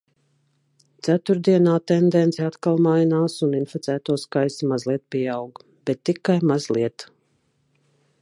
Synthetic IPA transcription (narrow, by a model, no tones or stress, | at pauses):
t̪sæt̪uɾd̪iɛnaːt̪ɛnd̪ɛnt̪sɛat̪kalˠmajnaːsuninfit̪sæːt̪uɔskajsimazlˠiɛt̪̚piɛawɡ | b̥ɛt̪ːikajmazlˠiɛt̪